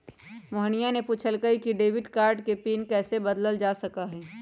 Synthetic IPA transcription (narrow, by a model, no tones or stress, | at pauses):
moɦnijanepuːt͡ʃʰəlkəikiɖeːʋɪʈkaːɾɖkepiːnkɛːsebɐd̪ləld͡ʒaːsɐkaɦɛː